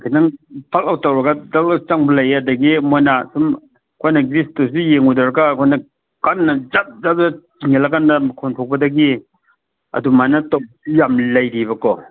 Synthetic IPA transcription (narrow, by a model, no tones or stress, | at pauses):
kʰidaŋpʰalawtawɾɐɡadalat͡ʃaŋbɐlajadɐɡimojnasum | kʰojnɐɡɾistos̬ijeŋudɐɾkakʰojnɐ | kanːɐzap̚zap̚dɐ | iŋelakandɐmkʰontʰok̚pɐdɐɡi | ɐ̰dumanɐtawbujamlɐjɾibɐkɔ